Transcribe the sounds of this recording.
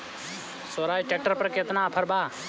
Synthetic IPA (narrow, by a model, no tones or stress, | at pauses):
soːɾaːiʈek̚ʈəɾpɐɾket̪naːpʰəɾbaː